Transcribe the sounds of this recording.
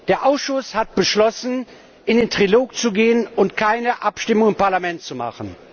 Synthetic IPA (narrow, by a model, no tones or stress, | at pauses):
d̥eːɐʔaʊsʃʊshat̚b̥əʃlɔsn̩ | ʔɪndeːntʁ̥iloːk̚t͡suɡeːənʊntkʰaɪnəʔapʃtɪmʊŋɪmpaɐlamɛntt͡suma̰χən̩